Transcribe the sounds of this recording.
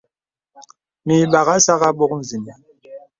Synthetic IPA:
mi˨ɓa˨ɣa˦sa˦ɣa˦ɓo˦kn̩˨zi˨ni˨

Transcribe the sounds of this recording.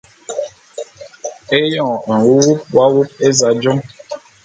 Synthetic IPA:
e˦jɔ̃˨n̩˨wu˦wu˦p̚wa˦wu˦p̚e˦za˨d͡ʒɔ˦

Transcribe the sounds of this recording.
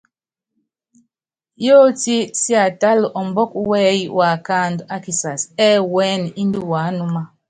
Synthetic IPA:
jo˦ti˦si˦a˨ta˦lɔ˨mbɔ˦k̚wɛ˦jwʔa˨ka˦˨nda˦ki˨sa˨sɛː˦wɛ˦n˨i˦n˦di˦waː˨˦nu˦ma˦

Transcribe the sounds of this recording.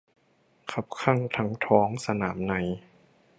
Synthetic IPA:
kʰa˧˥p̚kʰa˥˩ŋt̪ʰa˦˥ŋt̪ʰɔː˦˥ŋsa˧naː˩˦mna˧˦j

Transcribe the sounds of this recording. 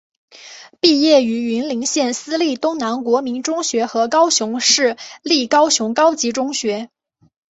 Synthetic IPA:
pi˥˧jɛ˥˩y˧˥y˧˥nli˧˥ŋɕjɛ˥˩nsɹ̩˥li˥˩t̪ʊ˥ŋna˧˥nkwɔ˧˥mi˧˥nʈ͡ʂʊ˥ŋɕɥɛ˧˥xɤ˧˥kɑ˥ʊɕjʊ˧˥ŋʂɻ̩˥˩li˥˩kɑ˥ʊɕjʊ˧˥ŋkɑ˥ʊt͡ɕi˧˥ʈ͡ʂʊ˥ŋɕɥɛ˧˥

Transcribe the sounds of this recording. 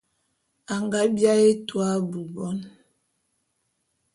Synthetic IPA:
a˨ŋɡa˦bja˦e˦twa˦bu˨bɔ˦n

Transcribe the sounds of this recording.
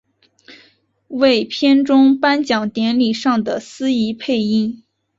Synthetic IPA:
we˥˩ɪpʰjɛ˥nʈ͡ʂʊ˥ŋpa˥nt͡ɕjɑ˨˩ŋt̪jɛ˧˥nli˨˩ʂɑ˥˩ŋd̪ə˩sɹ̩˥i˧˥pʰe˥˧ɪi˥˩n

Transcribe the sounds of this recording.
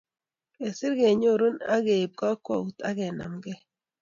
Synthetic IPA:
e˨si˦ɾɣe˨ɲo˦˨ɾu˦na˦ɣe˨b̚ɡa˦kwa˨u˨ta˦ɣɛ˨na̰˨mɡɛ˦

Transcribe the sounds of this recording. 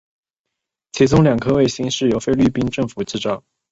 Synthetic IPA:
t͡ɕʰi˧˥t͡sʊ˥ŋljɑ˨˩ŋkʰɤ˥we˥˩ɪɕi˥ŋʂɻ̩˥˩jo˧˥ʊfe˥ɪly˥˩pi˥nʈ͡ʂɤ˥˩ŋfu˨˩˦t͡sɹ̩˥˩ʈ͡ʂɑ˥˩

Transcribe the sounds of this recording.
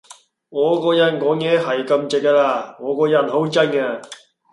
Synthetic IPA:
ŋɔː˨˧kɔː˧jɐ˨˩nkɔː˨˥ŋjɛː˨˧˥ɦɐ˨˩jkɐ˧mt͡sɪ˨˩k̚kaː˧laː˧ŋɔː˨˧kɔː˧jɐ˨˩nɦo˨˥wt͡sɐ˥nkaː˧

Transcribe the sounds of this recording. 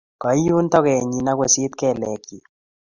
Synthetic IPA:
kɔ˨˦ju˦ntɔ˦kɛ˨ɲi˨na˦kwɛ˨si˦t̪̚kɛ˦˨lɛ˨ki˨

